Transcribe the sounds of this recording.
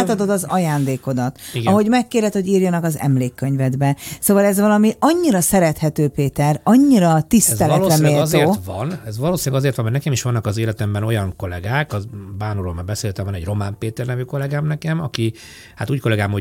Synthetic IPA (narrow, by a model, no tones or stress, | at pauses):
t̪ɒd̪o̞d̪ɒzɒjaːnd̪eːko̞d̪ɒt̪iɡɒɦo̞ɟmɛkːeːɾɛt̪ho̞ɟiːrjɒnɒkɒzɛ̰mleːkːø̞ɲvɛd̪bɛsoːvɒlɛzʋɒlɒmiɒɲːiɾɒsɛɾɛt̪hɛt̪øːpeːt̪ɛrɒɲːiɾɒt̪ist̪ɛlɛlːlɛmɛeːrt̪orːt̪ʋɒnɛzʋɒloːsinɛɡɒzeːrt̪ʋɒnmɛnɛkɛmiʃʋɒnːɒkɒzeːlɛt̪ɛmbɛno̞jɒŋko̞lɛ̰ɡaːkɒbaːnuɾolmaːrbɛseːlɦɛt̪ɛmvɒnɛɟro̞maːmpeːt̪ɛrnɛvyko̞lɛɡaːmnɛkɛmɒki | hat̪uːcko̞lɛɡaːmho